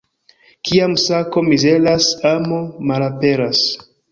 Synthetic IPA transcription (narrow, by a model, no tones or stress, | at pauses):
kʰiamsako̞mize̞lasamomalape̞ɾas